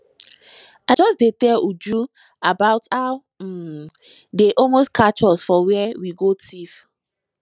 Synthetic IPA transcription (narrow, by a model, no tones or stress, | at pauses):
aɪd͡ʒɔsdetɛlud͡ʒu | abaʊtaʊ | deʔɔlmostkʰat͡ʃɔsfɔwɛɛwiɡotʰif